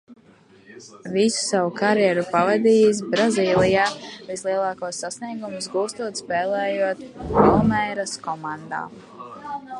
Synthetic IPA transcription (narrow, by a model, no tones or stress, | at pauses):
visu̥savukaɾjɛɾupavad̪iːjis̬bɾaziːlˠijaːvislˠiɛlˠɑːkuɔsːasniɛɡumusɡuːst̪uɔt̪spɛːlˠɛːjuɔt̪pilˠmɛjɾaskɔmand̪a̰ː